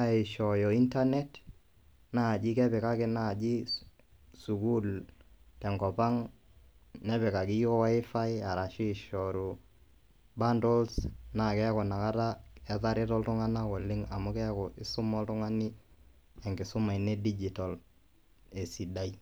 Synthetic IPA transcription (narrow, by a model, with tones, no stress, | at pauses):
a˦e˨ʃɔ˨jɔ˨i˦nta˦nɛ˦t | na˦˨d͡ʒɪ˦kɛ˦pɛ˨ka˦kɪ˦na˦˨d͡ʒi˦ | su˨ku˦ltɛ˨ŋɡɔ˨pa˦ŋ | nɛ˦βɛ˨ka˨kɪ˦jɔ˦wa˦ɪ˦fa˦ɪ˦a˨ɾa˨ʃɪː˦˨ʃɔɾu˨ | ba˦ndɔ˦lsna˨kɛ˦kɔ˨na˨ka˦ɾa˦ɛ˦ða˦ɾɪ˦tɔ˦ltʊ˦ŋa˦na˦kɔ˨lɪ˦ŋa˨mʊ˦kɛ˦kɔ˨ʔɪ˦sʊ˦mɔ˦ltʊ˦ŋa˦nɪ˦ | ɛ˨ŋɡɪ˨sʊ˦ma˨i˨ne˦di˦d͡ʒi˨tɔ˨l | e˨si˨da˦i˦